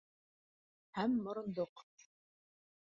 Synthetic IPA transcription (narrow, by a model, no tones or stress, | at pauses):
hæmːŏɾɤ̆nd̪oq